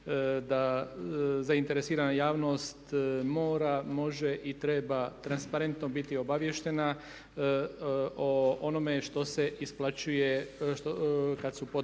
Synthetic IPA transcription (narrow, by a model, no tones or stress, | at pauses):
d̪a | zaint̪e̞ɾesiːɾanajaːʋno̞st̪mo̞ːɾamo̞ʒeʔit̪ɾeːbat̪ɾanspaɾe̞nt̪nobit̪io̞baʋjeʃt̪e̞na | oono̞me̞ʃt̪o̞seʔisplˠat͡ʃujeʃokad̪supo